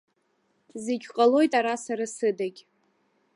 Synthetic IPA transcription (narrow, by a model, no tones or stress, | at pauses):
zeɡʲqʼalo̞jtʼaɾasaɾasɨdaɡʲ